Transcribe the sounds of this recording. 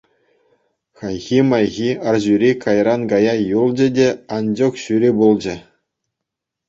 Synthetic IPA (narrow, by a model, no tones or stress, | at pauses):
xɑjɣʲimɑjɣʲiɑrʑyɾʲikɑjrɑnkɑjɑjulˠd͡ʑɘ̆dʲeɑnd͡ʑokɕyɾʲibulˠd͡ʑɘ̆